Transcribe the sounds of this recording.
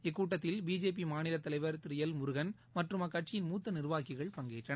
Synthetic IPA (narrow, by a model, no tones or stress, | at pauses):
ɛk̬ːuːʈːɐt̪ːɪlbiːd͡ʒeːp̬imaːnɪlɐt̪ːɐlɐɪʋɐɾt̪ɪɾɯjɐlmʊɾɯɣɐn | mɐʈrɯmɐkːɐʈ̚t͡ʃɪjɪnmuːt̪ːɐnɪɾɯʋaːkɪɣɐɭpɐŋɡeːʈrɐɐ